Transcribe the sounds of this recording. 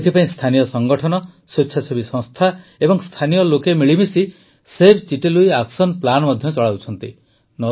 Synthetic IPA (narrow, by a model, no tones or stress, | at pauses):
t̪ʰipaĩst̪ʰanijɔsɔŋɡɔʈʰɔnɔ | sitːʃʰasʰobisɔ̃ŋst̪ʰaebɔŋst̪ʰanijɔlokemiɭimisi | sebt͡ʃiʈeluiaksɔnplanmɔd̪ʱjɔt͡ʃɔɭaut͡ʃʰɔnt̪i | nɔ